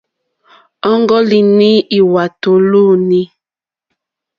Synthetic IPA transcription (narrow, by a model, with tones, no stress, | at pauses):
ɔ˦ŋɡɔ˦li˨ni˦i˨wa˨to˨luː˦ni˦